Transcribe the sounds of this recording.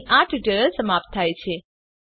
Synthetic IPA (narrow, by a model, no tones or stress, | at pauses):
ʔãʈʰʈəɾəlsəmap̚t̪ʰːajt͡ʃʰe